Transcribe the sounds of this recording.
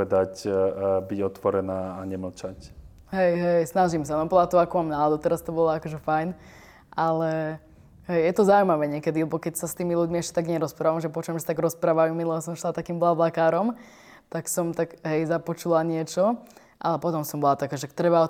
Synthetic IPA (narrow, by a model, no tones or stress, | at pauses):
ɛd̪acbiɟɔt̪ʋɔɾɛnaːɲɛml̩t͡ʃac | ɦɛjɦɛjsnaʒimsanɔplat̪uakɔmamnalad̪ut̪ɛɾast̪ɔbɔlɔakɔʒɛfajn | ʔalɛ | ɦɛjjɛt̪ɔzaumaʋɛːɲɪɛkɛd̪ilɛbɔkɛcsast̪iːmiluɟmiɛʃcɛ̥t̪aɡɲɛɾɔspɾaːʋamʒɛpɔt͡ʃuɛmʃsat̪aɡɾɔspɾaːʋajumilɛbɔsɔmʃlˠat̪akiːmblablakaːɾɔm | t̪aksɔmt̪aɡɦɛjzapɔt͡ʃulaɲɪɛt͡ʃɔ | ʔa̰lɛpɔt̪ɔmsɔmbɔlat̪akaʒɛakt̪ɾɛbaɔ